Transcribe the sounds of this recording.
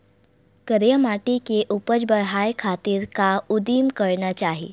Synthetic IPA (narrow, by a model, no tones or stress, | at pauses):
kəɾjəmaʈikeʔupəd͡zbəɭɦajkʰat̪iːɾkaud̪iːmkəɾɳat͡ɕaɦi